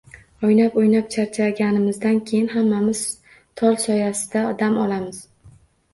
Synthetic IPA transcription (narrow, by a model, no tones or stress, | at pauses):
ojnapojnap̚t͡ʃʰaɾt͡ʃʰaɡʲanɪmɪzd̪ankʲʰejɪnɦamːamɪz̥ | t̪ʰɒlˠsɒjasɪd̪aɒd̪amɒlamɪz̥